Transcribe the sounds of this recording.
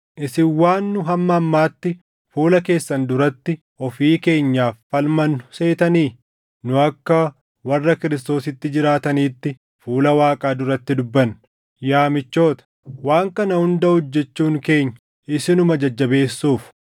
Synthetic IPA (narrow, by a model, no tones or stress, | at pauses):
ʔɪsɪwaːnːʊɦɐmːɐːmːaːt̪ːɪ | fuːlɐke̞ːsːɐnd̪ʊɾɐt̪ːɪ | ɔfiːke̞ːɲːaːfːɐlmɐnʊ̥se̞ːt̪ɐniː | nʊɐkːɐ | wɐrːɐkɪɾɪst̪o̞ːsɪt̪ːɪd͡ʒɪɾaːt̪ɐniːt̪ːɪ | fuːlɐwaːkʼaːd̪ʊɾɐt̪ːɪd̪ʊbːɐn | jaːmɪt͡ʃːo̞ːt̪ɐ̥ | waːŋkɐnɐhʊnd̪ɐʊd͡ʒːɛt͡ʃːuːŋke̞ːɲːɐ | ɪsɪnʊmɐd͡ʒɐd͡ʒːɐbe̞ːsːuːf